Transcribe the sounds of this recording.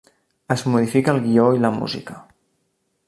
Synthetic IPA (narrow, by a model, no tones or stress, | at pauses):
əzmuðifikəːlˠɣioiləmṵzḭkə